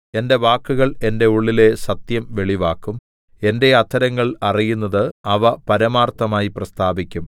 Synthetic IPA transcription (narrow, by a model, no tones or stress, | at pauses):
e̞nde̞ʋaːkːuɣɐɭe̞nde̞uɭːile̞sɐt̪jɐmʋe̞ɭiʋaːkːum | e̞nde̞ɐt̪ʰːɐɾɐŋːɐɭɐrijunːɐðɨɐʋɐpɐɾɐmaːrt̪ːɐmaːjiprɐst̪ʰaːbikʲːum